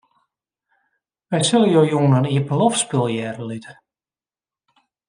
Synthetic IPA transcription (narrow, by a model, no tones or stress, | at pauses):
ʋɛjsɪləjoːjuənəniəpəlɔfspɪlˠjɛːrəlitʰə̥